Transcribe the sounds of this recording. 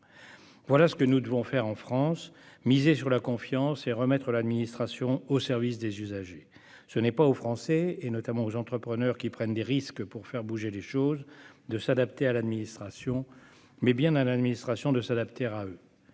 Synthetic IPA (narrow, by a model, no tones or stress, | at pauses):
vwalasə̥kənud̪əvɔ̃fɛʁɑ̃fχɑ̃smizesyʁlakɔ̃fjɑ̃seʁəmɛt̪χəlad̪minist̪χasjɔ̃osɛʁvis̬d̪ezyzaʒe | sənɛpaofχɑ̃sɛenɔt̪amɑ̃ozɑ̃t̪χəpχənœʁkʲipχɛnd̪eʁiskpuʁfɛʁbuʒeleʃozd̪əsad̪ap̚t̪ealad̪minist̪χasjɔ̃ | mɛbjɛ̃nalad̪minist̪χasjɔ̃d̪əsad̪apt̪eʁaø